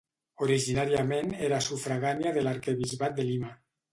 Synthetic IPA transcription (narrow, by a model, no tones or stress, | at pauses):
oɾiʒinaɾiameneɾasufɾaɣanjiaðelaɾkeβizβat̪̚d̪elima